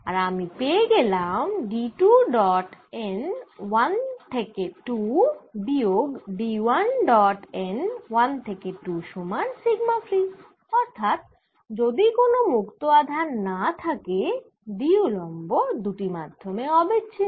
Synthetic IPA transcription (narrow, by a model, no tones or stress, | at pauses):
aɾamipeeɡelamɖiʈuɖɔʈenwant̪ʰekeʈubioɡɖiwanɖɔʈenwant̪ʰekeʈuʃumaɾsiɡmafɾi | ɔɾt̪ʰat̪̚ | d͡ʑod̪ikonomukt̪oad̪ʱaɾnat̪ʰake | biulɔmbod̪uʈimad̪ʱːomeɔbetːɕʰe